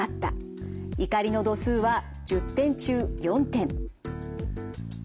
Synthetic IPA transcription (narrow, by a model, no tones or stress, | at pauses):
at̪ːa̰ | ikaɾʲino̞d̪o̞sɨːβa | d͡ʑɨt̪ːẽ̞ɲ̟t͡ɕɨːjõ̞nt̪ẽ̞ɴ